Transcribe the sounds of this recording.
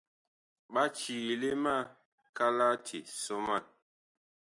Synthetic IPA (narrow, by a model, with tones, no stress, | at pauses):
ɓa˦t͡ʃi˨le˦ma˦˨ | ka˦la˦tʰḭ˨sɔ˦ma˦˨n